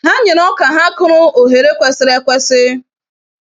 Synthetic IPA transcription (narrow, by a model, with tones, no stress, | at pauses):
ɦa˦ɲɪ˨nɔ˦ka˨ɦa˦kʊ˦ɾʊ˦o˨ɦe˨ɾe˦kʷe˦sɪ˦ɾe˦kʷe˦sɪ˦